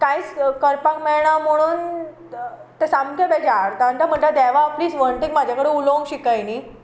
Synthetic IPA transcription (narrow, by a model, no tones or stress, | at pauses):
kajt͡skəɾpakmɛɭɳ̃am̤əɽ̃uːn | t̪esamkʰebed͡ʑaɾt̪aɳʈ̪əm̤əɳʈ̪əd̪ɛʋapliːsʋəɳʈiŋɡmad͡ʑʱakəɽeulow̃ŋɡɕikajniː